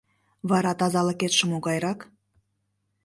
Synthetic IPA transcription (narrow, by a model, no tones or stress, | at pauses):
βɑɾɑt̪ɑzɑlə̆ket̪ʃə̆moɣɑjɾɑk